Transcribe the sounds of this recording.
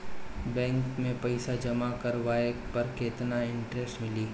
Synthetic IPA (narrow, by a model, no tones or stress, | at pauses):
bɛ̃ːŋkmẽpɐɪsad͡ʒɐmakɐɾʋaːepɐɾkeːt̪naɪ̃ɳʈɾesʈmɪliː